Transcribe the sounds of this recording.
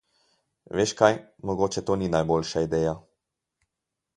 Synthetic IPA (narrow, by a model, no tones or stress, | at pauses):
ʋeːʃkajmɔɡoːt͡ʃɛt̪oːninajbolʃaid̪ɛːja